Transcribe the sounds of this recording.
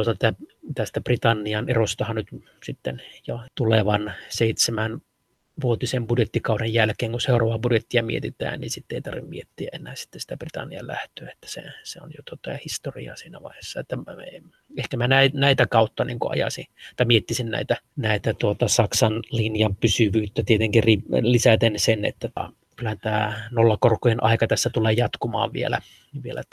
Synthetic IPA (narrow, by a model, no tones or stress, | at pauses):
uot̪ɑt̪æt̪æst̪æprit̪ɑnːiɑnerost̪ɑhɑnnyt̪ | sit̪ːenjot̪uleʋɑnseit̪semæn | ʋuot̪isembudjet̪ːikɑˑuɾejjælkeːŋkunseˑurɑʋɑbudjet̪ːiɑmḭḛt̪it̪æ̰ːnninsit̪ːeˑit̪ɑrʋimmḭet̪ːiæʔʔenæːsi̥t̪ːesi̥t̪æprit̪ɑ̰nːiɑ̰læ̰ht̪ˑøːet̪ːæ̥sḛseo̰njot̪uot̪ːɑjɑhist̪orḭɑ̰siːnæ̰ʋɑ̰ihesːɑet̪ːæ | ehkæmænæinæit̪ækɑut̪ːɑniːŋkuɑ̰jɑ̰sḭt̪ɑmiet̪ːisinnæ̰it̪ænæˑit̪æt̪uot̪ɑsɑksɑnlinjɑmpysyʋyːt̪ːæt̪iet̪eŋkirilisæt̪ensenḛt̪ːæt̪ɑ̰ | kylːæhænt̪æːnolːɑkorkːojenʔɑ̰ˑikɑt̪æsːæt̪uleːjɑt̪kumɑ̰ːʋʋḭḛlæ̰ | ʋielæt̪ː